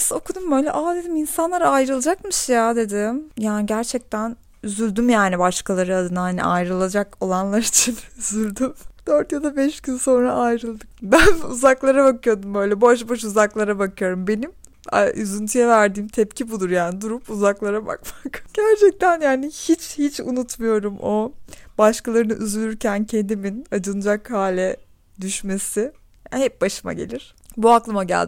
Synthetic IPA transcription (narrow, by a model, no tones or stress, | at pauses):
so̞kʰud̪umbø̞jlʲɛʔad̪e̞d̪iminsanlˠaɾajɾɯlˠad͡ʒakmɯʃjad̪e̞d̪ɪmjaːniɟæɾt͡ʃʰɛc̚t̪ʰæn | yzylʲd̪ymjaːnibaʃkalˠaɾɯad̪ɯnahanḭʔa̰jɾɯlˠad͡ʒako̞lˠanlˠaɾit͡ʃʰinyzylʲd̪ymd̪̥øɾt̪jad̪abɛʃɟynso̞nɾaʔajɾɯlˠd̪ɯk̚bænuzaklˠaɾabakɯjo̞d̪umbø̞jlʲɛboʃ̬bo̞ʃuzaklˠaɾabakʰɯjo̞ɾumbe̞nim | a̰ʔyzynt̪ʰyjɛvæɾd̪iːmt̪ʰɛpcʰibud̪uɾjaːnid̪uɾupuzaklˠaɾaba̰kmakɟ̥æɾt͡ʃʰɛk̚t̪ʰænjaːnihit͡ʃhit͡ʃṵnut̪mujo̞ɾumʔobaʃkalˠaɾɯnɯʔyzylʲyɾcʰæncʰend̪iminad͡ʒɯnɯd͡ʒakhaːlʲɛ | d̪yʃme̞sɪ | hɛp̚baʃɯma̰ɟe̞̰lʲiɾ̥buaklˠɯmaɟæ̰lʲd̪